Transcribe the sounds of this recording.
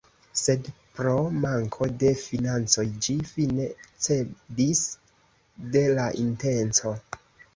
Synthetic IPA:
se̞dpɾo̞maŋkʰo̞de̞finant͡so̞jd͡ʒifinet͡se̞dis | de̞laʔinte̞nt͡so̞

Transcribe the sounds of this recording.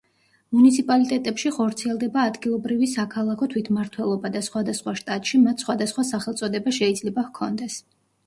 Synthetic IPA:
munit̪sʰipʼalit̪ʼɛt̪ʼɛpʃiχɔɾt̪sʰiɛlˠd̪ɛbaːd̪ɡilˠɔbɾivisakʰalˠakʰɔt̪ʰwit̪ʰmaɾt̪ʰwɛlˠɔbad̪asχwad̪asχwaʃt̪ʼat̪ʼʃimat̪ʰsχwad̪asχwasaχɛlˠt̪sʼɔd̪ɛbaʃɛid̪zlɛbavkʰɔnd̪ɛs

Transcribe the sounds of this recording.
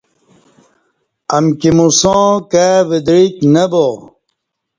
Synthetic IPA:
ɐmkimusõːkaʋid̪ɾiknɐbo

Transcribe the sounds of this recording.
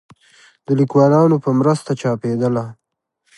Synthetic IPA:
d̪əlikwɑlɑnopəmɾəst̪at͡ʃɑped̪əla

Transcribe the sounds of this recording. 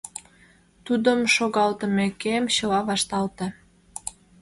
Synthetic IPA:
t̪ud̪əmʃoɣɑlt̪əmekemɕəlɑβɑʃt̪ɑlt̪e

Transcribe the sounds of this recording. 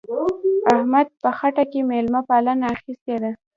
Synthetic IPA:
ahmad̪̚pəxaʈakemelmapalanaːxist̪ed̪a

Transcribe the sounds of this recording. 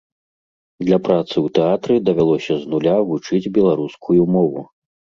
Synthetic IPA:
d̪lʲɐpɾat̪sɨwt̪ɛat̪ɾɨd̪ɐvʲalˠɔsʲɐznulʲavut͡ʂɨd͡zʲbʲɛlˠaɾuskʰujumɔvu

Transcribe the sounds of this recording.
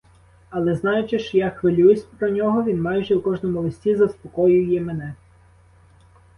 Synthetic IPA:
ɐlˠɛznɑjʊt͡ʃɪʃt͡ʃjaxʋelʲujesʲpɾɔnʲɔɦɔʋʲinmɑjʒɛwkɔʒnɔmʊlˠɪsʲtʲizɐspɔkɔjʊjɛmenɛ

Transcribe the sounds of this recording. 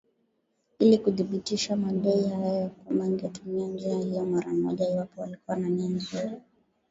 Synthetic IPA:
ilikuðiɓitiʃamaɗɛihajɔkwambaiŋɡɛtumiand͡ʒiahijɔmaɾam̩ɔ̰ʄaiwapɔwalikuwananianzuɾa

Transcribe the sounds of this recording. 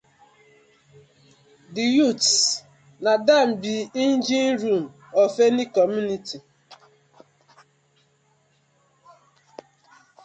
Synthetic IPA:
dijuts | nadam̩biin̩d͡ʒinɾum̩ɔfenikɔmjunitʰi

